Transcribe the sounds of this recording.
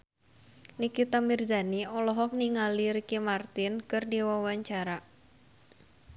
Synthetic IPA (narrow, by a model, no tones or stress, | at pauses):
nikit̪amird͡ʒaniɔlɔɦɔk̚niŋaliɾikimart̪ɪnkɨrdiwawaɲt͡ʃaɾa